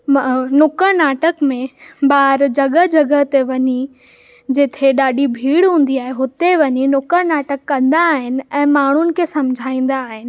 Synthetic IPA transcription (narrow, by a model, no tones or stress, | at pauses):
nʊkəɾnaːʈəkmẽɓaːɾd͡ʑɐɡəɦd͡ʑɐɡəɦt̪eʋɐɲi | d͡ʑɪt̪ʰeɗaːɗibʱiːɽɦũːn̆d̪iaːɦeɦʊt̪eʋɐɲinʊkəɾnaːʈəkːɐ̃nd̪aːɦɪnɪ̆ɛ̃ːmaːɳ̤ʊnɪ̆kʰesɐ̃md͡ʑʱaːĩːn̆d̪aːɦɪnɪ̆